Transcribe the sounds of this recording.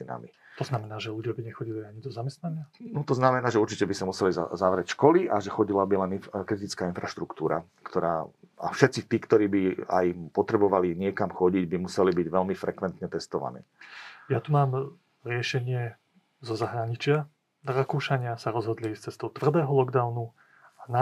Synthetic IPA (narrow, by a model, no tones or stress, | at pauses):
ina̰mi | t̪ɔznamɛnaːʒɛluɟɪabiɲɛxɔɟiliaɲid̪ɔzamɛst̪naɲɪanɔt̪ɔznamɛnaːʒɛuɾt͡ʃicɛbisamusɛliza̰zaʋɾɛcʃkɔliʔaʒɛxɔɟilabilɛninkɾit̪̬it͡skaːinfɾaʃt̪ɾukt̪uːɾa̰kt̪ɔɾa̰ː | a̰fʃɛt̪t͡sit̪iːkt̪ɔɾiːbia̰jpɔt̪ɾɛbɔʋaliɲɪɛkamxɔɟiɟbimusɛlibiɟʋɛlmifɾɛkʋɛnt̪ɲɛt̪ɛst̪ɔʋa̰nḭːjat̪umaːm | ɾɪɛʃɛɲɪɛ | zɔzaɦɾaɲit͡ʃɪa | d̪ɾakuːʃaɲɪasaɾɔzɦɔd̪list͡sɛst̪ɔʊt̪vr̩d̪ɛːɦɔlɔɡd̪aʊnu | ana